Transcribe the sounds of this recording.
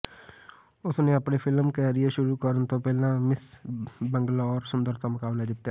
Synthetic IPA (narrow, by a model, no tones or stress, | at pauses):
ʊsneɐpnepʰɪlmkəɾieʃʊɾukəɾənt̪opɛːlãmɪsbə̃ŋɡlaɔːɾsʊ̃nd̪əɾt̪ʰamʊkaːblad̪ɪt̪ːjaː